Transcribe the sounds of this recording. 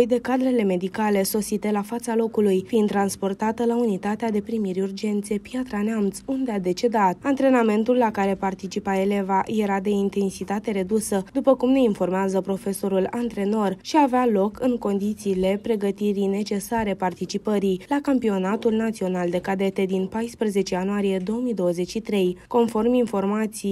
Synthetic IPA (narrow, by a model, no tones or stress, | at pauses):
jd̪e̞kad̪ɾe̞le̞me̞d̪ikale̞so̞sit̪e̞lafat̪salo̞kulujfint̪ːɾanspo̞rt̪at̪əlaunit̪at̪ead̪e̞pɾimiɾʲurd͡ʒe̞nt̪seepjat̪ɾanamt̪sund̪ead̪e̞t͡ʃe̞d̪at̪̚ant̪ɾe̞name̞nt̪ulːakaɾe̞part̪it͡ʃipae̞le̞vaje̞ɾad̪e̞int̪e̞nsit̪at̪e̞ɾe̞d̪usəd̪upəkumne̞info̞rmeazəpɾo̞fe̞so̞ɾulant̪ɾe̞no̞rʃiavealo̞kɨŋko̞nd̪it̪siːle̞pɾe̞ɡət̪iɾijne̞t͡ʃe̞saɾe̞part̪it͡ʃipəɾijlakampio̞nat̪ulnat̪sio̞nald̪e̞kad̪e̞t̪e̞d̪inpajspɾəze̞t͡ʃejanuaɾije̞d̪o̞oəmijd̪o̞wəze̞t͡ʃʲʃit̪ɾe̞jko̞nfo̞rminfo̞rmat̪si